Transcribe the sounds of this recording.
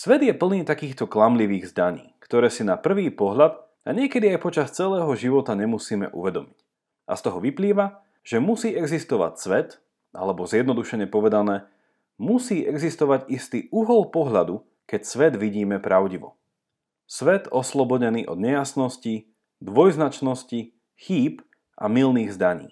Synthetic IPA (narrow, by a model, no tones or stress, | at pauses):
sʋɛd̪jɛpl̩niːt̪akiːxt̪ɔklamliʋiːɣzd̪aɲḭːkt̪ɔɾɛːsinapr̩ʋiːpɔɦʎad̪ | a̰ɲɪɛkɛd̪iajpɔt͡ʃast͡sɛlɛːɦɔʒiʋɔt̪aɲɛmusiːmɛ̰ʔṵʋɛd̪ɔmic | ʔa̰st̪ɔɦɔʋipliːʋa | ʒ̥ɛmusiːʔɛɡzist̪ɔʋa̰csʋɛt̪ | ʔa̰lɛbɔzɪjɛd̪nɔd̪uʃɛɲɛpɔʋɛd̪anɛː | musiːʔɛɡzist̪ɔʋaɟist̪iːʔuɦɔlˠpɔɦʎad̪u | kɛcsʋɛd̪ʋiɟiːmɛpɾaʊɟiʋɔ̰ | sʋɛt̪ɔslɔbɔɟɛniːʔɔ̰d̪ɲɛjasnɔsci | d̪ʋɔjznat͡ʃnɔsci | xiːp | ʔa̰milniːɣzd̪aɲḭː